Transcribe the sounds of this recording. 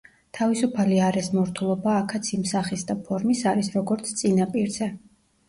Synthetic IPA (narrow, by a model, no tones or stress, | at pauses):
t̪ʰavisupʰaliaɾɛsmɔɾt̪ʰulˠɔbaːkʰat̪sʰimsaχisd̪apʰɔɾmisaɾisɾɔɡɔɾt̪sʰt̪sʼinapʼiɾz̥ɛ